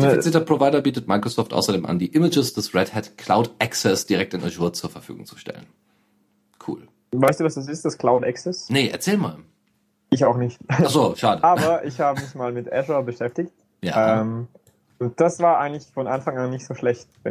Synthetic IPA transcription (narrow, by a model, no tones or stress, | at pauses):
nəfit͡siɐtɐpʁ̥ovaɪɾɐbiːtətmaɪkʁ̥osɔːftʔa̰ʊsɐdeːmʔa̰ndiːʔɪməd͡ʒəsd̥ɛsʁɛthɛtkʰl̥aʊtʔɛksɛsd̥iʁɛktɪnʔɛʒuɐt͡suːɐfɛɐfy̰ːɡʊ̰ŋt͡su̥ʃtɛ̰lə̰n | kʰṵːl | vaɪstd̥uːvasd̥as̬ɪstd̥askl̥aʊtʔɛksɛsnəʔɛ̰ɐt͡sɛːlma̰ːl | ʔɪçaʊxnɪçtʔaχz̥oːʃaːdəaːbɐʔɪçhaːbəmɪçmaːlmɪtʔɛʃabəʃɛftɪçt̚ | ja̰ːɛm | ʊnt̚d̥asv̥aːɐʔaɪɡəŋtlɪçfɔnʔanfaŋanːɪçtz̥oːʃlɛçt̚vɛ